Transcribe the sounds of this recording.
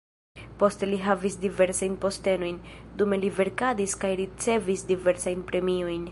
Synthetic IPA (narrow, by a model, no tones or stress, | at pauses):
po̞steliɦavisdive̞ɾsajnpo̞ste̞no̞jndumelive̞ɾkadiskajɾit͡se̞visdive̞ɾsajnpɾe̞mio̞jn